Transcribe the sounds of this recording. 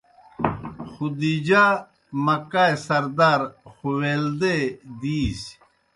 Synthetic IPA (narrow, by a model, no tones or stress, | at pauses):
xud̪id͡ʑa | mɐkaːesɐɾd̪aːɾxuweːld̪ed̪iːs